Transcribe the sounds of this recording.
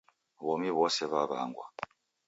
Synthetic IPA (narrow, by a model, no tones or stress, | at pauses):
βɔmiβɔsɛβaβa̰ŋɡwa̰